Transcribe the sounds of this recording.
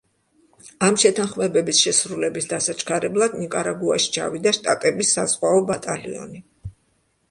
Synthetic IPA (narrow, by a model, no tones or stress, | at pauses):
amʃɛt̪ʰanχmɛbɛbisʃɛsɾulɛbisd̪asat͡ʃʰkʰaɾɛblˠad̪nikʼaɾaɡua̰ʃi̥t͡ʃʰa̰vid̪aʃt̪ʼat̪ʼɛbisːaz̥ʁwaɔbat̪ʼalḭɔ̰ni